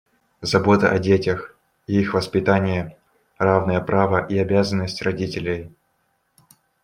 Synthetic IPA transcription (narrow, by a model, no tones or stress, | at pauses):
zɐbo̞t̪əʔɐdʲetʲɪx | iixvəspʲɪt̪anʲɪjə | ravnəjəpɾʔavəʔiɐbʲazənːəsʲtʲrɐdʲitʲɪlʲɪj